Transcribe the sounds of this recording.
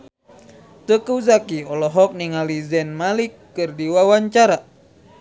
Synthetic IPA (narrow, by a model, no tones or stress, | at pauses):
t̪əkəuzakiɔlɔɦɔk̚niŋalizɛnmalikːɨrdiwawaɲt͡ʃaɾa